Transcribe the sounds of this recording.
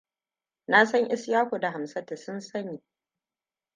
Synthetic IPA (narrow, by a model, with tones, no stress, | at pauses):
na˦sɐ˦ŋʔɪ˦sjaː˦kʷo˨da˨ɦa˨msa˦ta˨sʊ˦nsɐ˦niː˨